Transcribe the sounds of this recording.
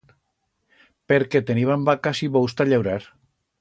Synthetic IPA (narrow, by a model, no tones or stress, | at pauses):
peɾket̪eniβambakasiβowst̪aʎewɾaɾ